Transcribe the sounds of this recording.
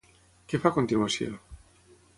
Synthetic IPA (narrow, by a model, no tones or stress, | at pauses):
kefakont̪inwasḭ